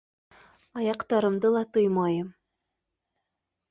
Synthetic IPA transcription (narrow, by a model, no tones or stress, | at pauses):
ɑjɑqt̪ɑɾɤ̆md̪ɤlˠɑt̪ɤjmɑjɤm